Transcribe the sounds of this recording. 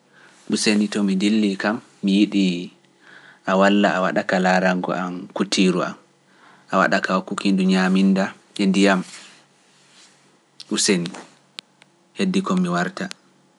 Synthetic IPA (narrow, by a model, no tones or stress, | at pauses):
ɓusenitɔmindilːikamːijiɗi | ʔawalːaawa̰ɗakalaɾaŋɡɔ̰ʔamkutʰːiɾua̰m | ʔawa̰ɗakawakːukinduɲaminda | ɛndijam | ʔuseni | hedːikɔmːiwaɾta